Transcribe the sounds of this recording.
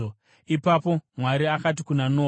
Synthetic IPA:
o | ipapo̞mwaɾiakat̬ikunanoː

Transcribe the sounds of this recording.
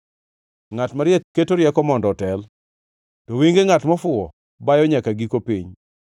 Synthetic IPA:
ŋatmaɾjɛt̚kːetoɾjɛkɔmɔndɔtɛl | tɔwiŋɡeŋatmɔfʊɔ | bajɔɲakaɡikopiɲ

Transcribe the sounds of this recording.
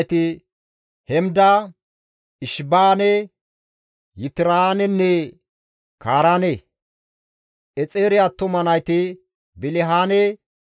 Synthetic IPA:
t̪ɪ | hɛmd̪ɐ | ɪʃbaːnɛ | jɪt̪ɪɾaːnɛnːɛ | kaːɾaːne | ʔɛt͡sʼeːɾɪat̪ːɔmɐnɐjt̪ɪ | bɪlɪɦaːnɛ

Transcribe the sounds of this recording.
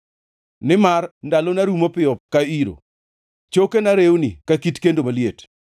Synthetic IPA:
nɪmarndalonaɾumopɪɔkaiɾo̰ | t͡ʃokenaɾewnikakitkendomaljet

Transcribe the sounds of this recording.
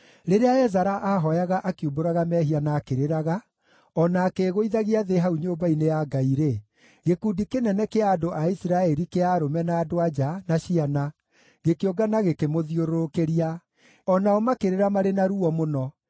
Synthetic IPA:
ɾeɾeaɛzaɾaʔaɦɔjaɣaʔakioboɾaɣamɛːɦianakeɾeɾaɣa | ɔnakeɣoiðaɣiaðeɦauɲoːmbainejaɡaiɾe | ɣekudikenɛnɛkeadoʔaisɾaɛɾikeaɾomɛnaːdoad͡ʒanaɕiana | ɣekeoɡanaɣekemoðioɾoɾokeɾia | ɔnaɔmakeɾeɾamaɾenaɾuɔmonɔ

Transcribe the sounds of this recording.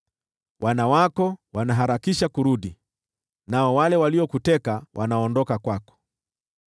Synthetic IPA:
wʔanawakɔwanaɦaɾakiʃakuɾuɗi | naɔwalɛwaliɔkutɛkawʔa̰naɔndɔkakwakɔ̥

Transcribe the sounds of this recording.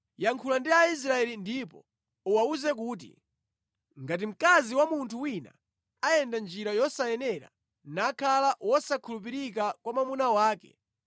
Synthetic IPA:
jaŋkʰulandiais̬ɾaɛlindipɔ | uwauzɛk̬uːt̬ḭ | ŋɡat̬im̩kaziwamuntʰuwina̰ | ajɛndand͡ʒiɾajɔsajɛnɛɾa̰ | nakʰalawɔsakʰulupiɾik̬akwamamunawaːkɛ̰

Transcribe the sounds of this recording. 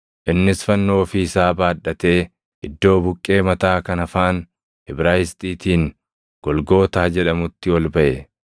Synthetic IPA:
ʔɪnːɪsfɐnːo̞ːfɪɪsaːbaːᶑːɐt̪e̞ː | ɪd̪ːo̞ːbʊkʼːe̞ːmɐt̪aːkɐnɐfaːn | hɪbɾaːjɪst̪ʼiːt̪iːŋ | ɡ̥ɔlɡo̞ːt̪aːd͡ʒɛᶑɐmʊt̪ːɪwɐlbɐʔɛ

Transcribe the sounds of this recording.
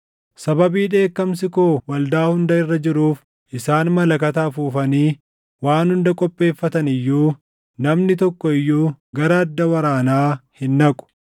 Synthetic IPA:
sɐbɐbiːᶑe̞ːkːɐms̬ɪkoːwɐld̪aːhʊnd̪ɐɪrːɐd͡ʒɪɾuːf | ʔɪsaːnmɐlɐkɐt̪aːfuːfɐniː | waːnhʊnd̪ɐkʼɔpʼːe̞ːfːɐt̪ɐnɪjːuː | nɐmnɪt̪ɔkːɔɪjːuːɡɐɾɐːd̪ːɐwɐɾaːnaːhɪnːɐkʼʊ̥

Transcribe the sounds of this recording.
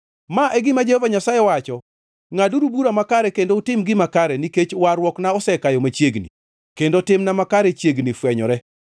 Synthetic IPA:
maʔɛɡɪmad͡ʒehovaɲasajɛwat͡ʃɔ | ŋaduɾubuɾamakaɾɛkendoutɪmɡɪmakaɾɛniket͡ʃwaɾwɔknaɔsɛkajɔmat͡ʃjeɡnḭ | kendotɪmnamakaɾɛt͡ʃjeɡnifwɛɲɔɾɛ

